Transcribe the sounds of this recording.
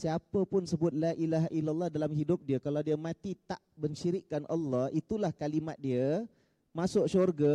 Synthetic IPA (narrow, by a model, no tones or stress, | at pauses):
siapəpʊnsəbʊt̪̚laʔilaɦʔilalːɑhdalamɦidʊp̚diəkalawdiəmãt̪it̪aʔbəɲʃiɾiʔkːanʔɑ̰lːɑhʔit̪ulahkalimat̪̚diə | masʊʔʃorɡə